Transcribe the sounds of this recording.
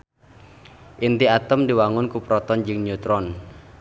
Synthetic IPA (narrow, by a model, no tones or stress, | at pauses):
ʔint̪iat̪əmdiwaŋʊnkupɾɔt̪ɔnd͡ʒɨŋɲut̪ɾɔn